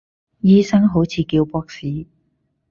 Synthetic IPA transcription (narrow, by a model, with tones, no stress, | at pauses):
jiː˥sɐ˥ŋɦo˨˥wt͡sʰiː˨˧kiː˧wpɔː˥k̚siː˨˥